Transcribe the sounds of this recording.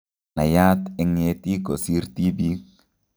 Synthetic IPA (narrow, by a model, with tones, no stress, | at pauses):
na̰˨ja˦t̪ɛ˨ŋe˨t̪i˦ko˨si˦ɾt̪i˦bi